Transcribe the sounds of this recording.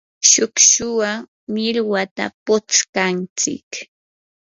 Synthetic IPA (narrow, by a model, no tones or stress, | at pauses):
ʃʊkʃʊwa | mɪɾwat̪a̰pʊt͡skant͡sɪ̰k